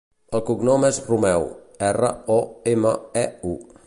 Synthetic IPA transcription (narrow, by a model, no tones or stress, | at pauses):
əlˠkuɡnɔmɛzrumɛw | ɛrə̰ɔemə̰ɛu